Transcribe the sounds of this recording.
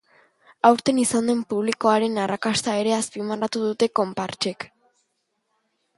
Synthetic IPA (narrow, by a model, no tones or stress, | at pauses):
awɾt̪e̞nisand̪e̞mpuβ̞liko̞aɾe̞narakast̪ae̞ɾe̞aspimarat̪uðut̪e̞ko̞mpaɾt͡ʃe̞k